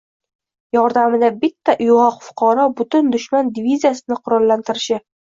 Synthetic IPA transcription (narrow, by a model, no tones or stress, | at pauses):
jɒɾd̪amɪd̪abɪt̪ʰːaʔʊjʁɒqfʊ̥qʰɑɾɒbʊt̪ʊnd̪ʊʃmand̪ɪvizʲijasɪnɪqʰʊɾɒlːant̪ʰɪɾɪʃɪ